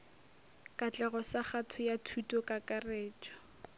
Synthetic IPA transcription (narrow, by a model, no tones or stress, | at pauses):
kʼat͡ɬʼɛɣɔsaχatʰʊjatʰutʼɔkʼakʼareːt͡ʃɔ̥